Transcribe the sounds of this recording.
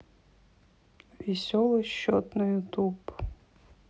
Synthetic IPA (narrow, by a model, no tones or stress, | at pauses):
ʋʲisʲɔlˠɔʃɔt̪nɔjut̪ub